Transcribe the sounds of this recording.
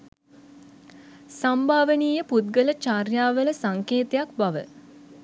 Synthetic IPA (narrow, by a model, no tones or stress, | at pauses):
sambʱaːʋəniːjəput̪̚ɡələt͡ʃaːrjaːʋələsaŋkeːt̪ejakbaʋə̰